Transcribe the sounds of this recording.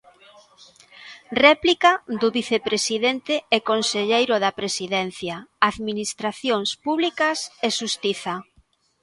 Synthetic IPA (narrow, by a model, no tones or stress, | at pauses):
rɛplikad̪ʊβiθepɾesiðent̪eɛkonseʎejɾʊðɐpɾesiðɛn̟θjaaðminist̪ɾaθjoŋspuβlikɐseʃust̪iθɐ